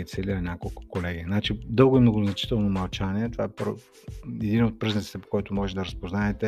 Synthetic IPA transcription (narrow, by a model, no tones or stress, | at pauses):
it̪sɛliɐnʲakolˠkʊ̥kolɛɡʲinat͡ʃid̪ɤlˠɡʊimnoɡʊznɐt͡ʃi̥t̪ɛlˠnomɐlˠt͡ʃaniɛt̪ovaɛpɾo | ɛd̪inot̪̚pɾiznɛtsi̥t̪ɛpo̥kɔjt̪omɔʒɛt̪d̪ɐɾəspoznaɛt̪ɛ